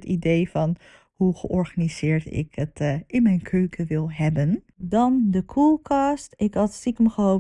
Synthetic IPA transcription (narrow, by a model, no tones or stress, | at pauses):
tidejfɑn | huχəʔɔɹχanizɪːɹtɪ̰kətʔɪnmɛjnkʰøːkʰəʋɪlˠɦɛbən | dɑndəkʰulˠkʰɑstɪkɦɑtsikəmχəo